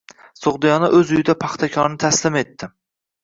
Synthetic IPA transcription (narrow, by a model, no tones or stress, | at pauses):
soʁd̪ijɒnaʔɵzʊjɪd̪apʰɑχt̪ʰakʲʰɒɾnɪt̪ʰaslɪme̞t̪ʰːɪ